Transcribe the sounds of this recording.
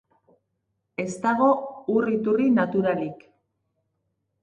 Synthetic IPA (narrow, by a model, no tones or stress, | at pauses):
e̞st̪aɣ̞o̞urit̪urinat̪uɾalik